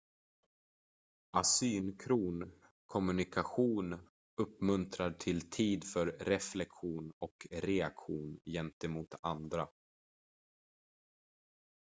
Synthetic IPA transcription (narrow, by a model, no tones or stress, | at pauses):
ʔasyːnkʰɾuːn | kʰɔmɵnɪkaɧuːn | ɵpmɵnt̪ɾaʈʰɪlt̪ʰiːd̪fœɾɾɛflɛkɧuːnɔkɾɛakɧuːnjɛnt̪ɛmuːt̪and̪ɾa